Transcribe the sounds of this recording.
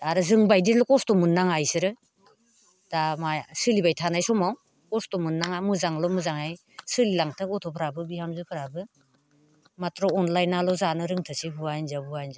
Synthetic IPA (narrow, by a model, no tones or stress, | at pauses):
aɾɯzɯŋbajdilɔkɔstɔmɯnːaŋajsɯɾɯ | d̥amasɯlibajtʰanajsɔmaw | kɔstɔmɯnːaŋamɯzaŋlɔmɯzaŋaj | sɯlilaŋtʰɯkɔtʰɔpʰɾabɯbihamzɯpʰɯɾabɯ | matɾawɔnlajnalɔzanɯɾɯŋtʰɯsibuajnzabuwajnza